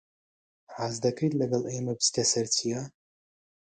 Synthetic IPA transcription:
ʕaːzd̪ɐkʰɐjt̪lɐɡɐlˠemɐbɨst̪ɐsɐɾt͡sʰija

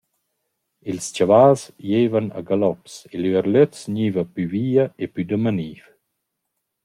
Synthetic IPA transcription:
ilst͡ʃavaːsjeːvana̰ɡalɔpsɛløəɾløtsɲiːvapyviːaʔepyd̪əmaniːf

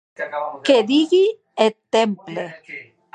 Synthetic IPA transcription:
keðiɣi | et̪emple

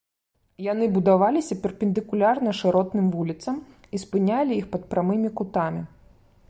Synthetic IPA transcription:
janɨbud̪avalʲisʲɐpʲɛrpʲɛnd̪ɨkulʲarnɐʂɨɾɔt̪nɨmvulʲit̪sɐm | ispɨnʲalʲijixpɐt̪̚pɾamɨmʲikut̪amʲi

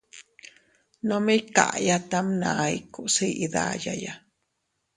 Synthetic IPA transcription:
nõmĩka̰ʔjat̪amnãikusiʔiða̰jaja

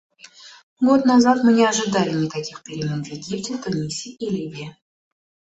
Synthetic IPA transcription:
ɡot̪nazat̪mɨnʲɪɐʐɨd̪alʲɪnʲɪkakʲixpʲɪɾʲɪmʲenvʲjɪɡʲiptʲɪt̪ʊnʲisʲiʔilʲivʲe

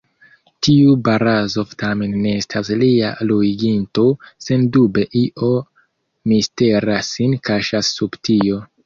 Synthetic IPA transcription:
tiubaɾazo̞ftame̞nːe̞estʰaslialuiɡinto̞se̞ndube̞ʔiʔo̞ | miste̞ɾasːinkaʃasːubtio̞

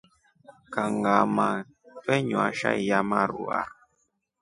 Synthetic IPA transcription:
kaŋɡama | fɛɲuaʃa̰ijamaɾṵa̰

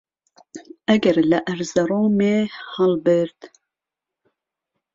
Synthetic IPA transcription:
ɛɡɛɾlɨʔæɾzɛɾoːmeːhɑlbɨɾt̪

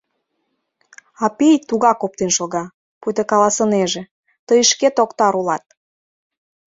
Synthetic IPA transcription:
ɑpijt̪uɣɑkop̚t̪enʃoɣɑ | pujt̪ekɑlɑsə̆neʒĕ | t̪əjʃket̪okt̪ɑɾulɑt̪̚

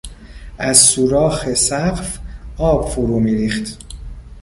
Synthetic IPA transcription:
ʔæzsuːɾɒːxesæɢfɒːb̥foɾuːmiːɾiːxt̪

